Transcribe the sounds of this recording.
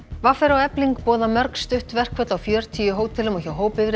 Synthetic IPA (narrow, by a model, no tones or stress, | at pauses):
vafɛɾawɛpliŋkpɔːðamœɾkst̪ʏht̪vɛr̥kʰvɛt̪lawfjœːɾ̥t̪ʰiːjʏɦoːwt̪ʰɪlʏmɔçawɦoːwpɪvɾ